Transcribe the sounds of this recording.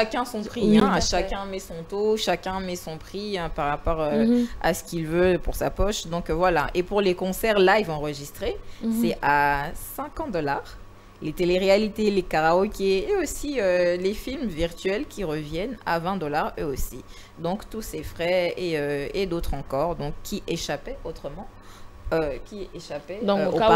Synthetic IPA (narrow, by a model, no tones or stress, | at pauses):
ʃakʲɛ̃sɔ̃pχiɛ̃ʃakʲɛ̃mɛsɔ̃t̪oʃakʲɛ̃mɛsɔ̃pχiɛ̃paʁːapɔʁøa̰sə̥kʲilvøpuʁsapɔʃd̪ɔ̃kvwalaʔepuʁlekɔ̃sɛʁlaivɑ̃ʁəʒist̪χesɛasɛ̃kɑ̃d̪ɔlaʁ | let̪eleʁealit̪elekaʁaɔkʲeːosiølefilmviʁt̪ɥɛlkʲʰiʁəvjɛna̰vɛ̃d̪ɔlaʁøosi | d̪ɔ̃kt̪usefχɛeøed̪ot̪χɑ̃kɔʁd̪ɔ̃kːiʔeʃapɛot̪χəmɑ̃ | økʲieʃapɛd̪̃oa